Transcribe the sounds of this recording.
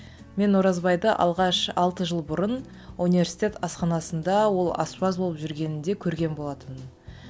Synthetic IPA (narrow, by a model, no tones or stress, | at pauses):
me̞nwoɾɑzbɑjd̪əʔɑ̰lˠʁɑʃɑlˠt̪əʒəlˠbʊɾən | unive̞rsi̥jt̪e̞t̪ɑsqɑnɑsənd̪ɑwo̞lˠɑ̰spɑzbo̞lˠəpʒʏɾɡʲe̞nɪnd̪e̞kʲʰɵɾɡʲe̞nbo̞lˠɑt̪ən